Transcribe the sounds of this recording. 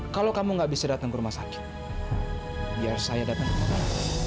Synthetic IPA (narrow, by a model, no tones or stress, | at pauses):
kalowkamuŋɡaʔbisadat̪aŋkəɾumahsakɪ̥t̪̚ | biarsajadat̪aŋimataa